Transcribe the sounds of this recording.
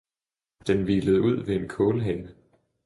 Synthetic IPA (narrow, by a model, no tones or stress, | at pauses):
d̥enʋiːləð̩ˠuð̞̰ˠʋe̝ːnkʰɔ̽ːləɦɛnə